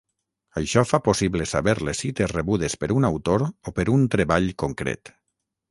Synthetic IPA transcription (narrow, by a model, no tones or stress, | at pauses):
əjʃɔfaposiβlesaβeɾlesit̪esreβuð̞espeɾunawt̪oɾopeɾunt̪ɾeβaʎkoŋkɾḛt̪